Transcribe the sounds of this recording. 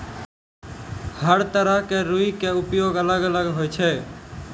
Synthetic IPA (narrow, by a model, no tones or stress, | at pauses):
həɾt̪əɾəɦkeːɾuiːkeːʊpjoːɡələɡələɡɦoːet͡ʃʰeː